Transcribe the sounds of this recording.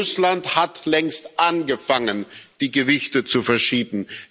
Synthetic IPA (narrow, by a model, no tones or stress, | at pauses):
ʊslanthatlɛŋstʔanɡəfaŋənd̥iːɡəvɪçtət͡sufɛɐʃiːbm̩